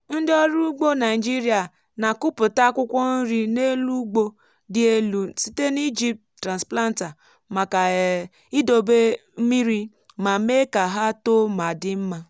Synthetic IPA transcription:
n̩˦dɪ˦ɔ˦ɾu˦ɡ͡bo˦na˨ɪ˨d͡ʒi˦ɾi˨a˨ | na˨kʊ˦pʊ˨ta˦kʷʊ˦kʷɔ˦n̩˦ɾi˦ne˦lu˦ɡ͡bo˦ | dɪ˦e˦lu˨si˦te˦ni˦d͡ʒi˦p̚ttːɾa˨nspla˦n˦ta˨ | ma˨ka˨ | i˦do˨be˦mi˦ɾi˦ | ma˨˦me˦ka˨ɦa˦to˦ma˨dɪ˦m̩˦ma˦

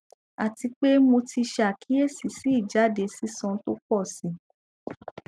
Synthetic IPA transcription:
a˨ti˧k͡pe˦mo˧tʰi˧ʃa˨kʰi˨˦e˦˨si˨si˨˦i˦˨d͡ʒa˨˦de˨˦si˦sɔ̃˧˦to˦k͡pɔ˦˨si˨˦

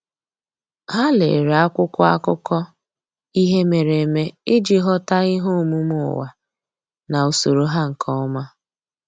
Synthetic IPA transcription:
ha˦lḛ˨ɾa˦kʷʊ˦kʷɔ˦a̰˦kʊ˦kɔ˦ | i˦ɦe˦me˨ɾe˨me˦ɪ˦d͡ʒi˨ɦɔ˦ta˦ɪ˦ɦo˦˨mu˦mʊ˦˨wa̰˨ | na˨o˨so˨ɾo˦ɦa˦ŋ̩˨kʰɔ˦ma˦

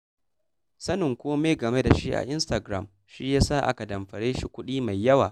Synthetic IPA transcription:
sɐ˦nɪ˨ŋkʷoː˦meː˦ɡɐ˨me˦da˨ʃi˦ʔa̰˨ʔɪ˦nsta˨ɡɾa˦˨m | ʃi˦jaː˦sa˦˨ʔa̰˦ka˨dɐ˨mɸɐ˨ɽeː˦ʃi˨kʷʊ˦ɗiː˦ma˨jːɐ˦waː˨

